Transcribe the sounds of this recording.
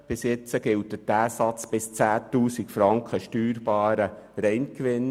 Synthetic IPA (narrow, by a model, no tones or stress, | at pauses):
b̥ɪsjɛt͡səɡ̥ɪlt̚ːətæːsɑt͡sb̥ɪst͡sæːtuːsikfɾɑŋkχəʃtyːɾb̥ɑːɾə | ɾɛɪnkʋɪn